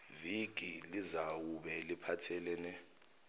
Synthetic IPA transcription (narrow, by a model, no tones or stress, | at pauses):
viɡ̥ʱʼilizawuɓɛlipʰatʰɛlɛnɛ